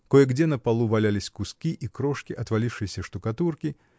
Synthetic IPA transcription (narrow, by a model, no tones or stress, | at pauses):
kɔjɛɡd͡zʲɛnɐpalˠuvalʲalʲɪsʲkuskʲiʔikɾɔʂkʲiʔɐt̪valʲifʂɨjesʲɐʂt̪ʊkat̪urkʲi